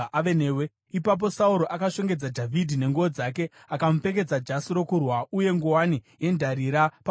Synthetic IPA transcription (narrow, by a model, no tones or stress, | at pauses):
aenewe | ipap̬o̞sauɾo̞ʔakaʃo̞ŋɡe̞d͡zadʱavʱidʱine̞ŋɡuod͡zake̞ | akam̩ufe̞ke̞d͡zad͡ʒasiɾo̞kurwauje̞ŋɡuwanije̞ndʱaɾiɾapa